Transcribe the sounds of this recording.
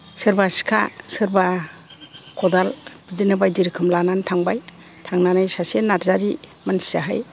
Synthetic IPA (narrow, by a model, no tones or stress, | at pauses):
sɯɾbasi̥kʰa̰sɯɾba | kʰɔdalbidinɯbajdiɾkʰɯmlanantʰaŋbaj | tʰaŋnanajsasenːaɾzaɾimansi̥aɦa̰j